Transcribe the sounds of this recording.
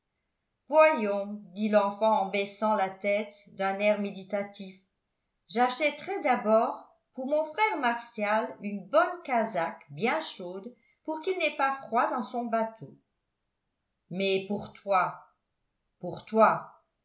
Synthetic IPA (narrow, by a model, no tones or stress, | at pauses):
vwajɔ̃d̪ilɑ̃fɑ̃ɑ̃bɛsɑ̃lat̪ɛt̪ | d̪ɛ̃nɛʁmed̪it̪at̪if | ʒaʃɛt̪ʁɛd̪abɔʁ | puʁmɔ̃fχɛʁmaʁsjalynbɔnkazakbjɛ̃ʃod̪ | puʁkilnɛpafχwad̪ɑ̃sɔ̃bat̪ʰo | mɛpuʁt̪wa | puʁt̪wa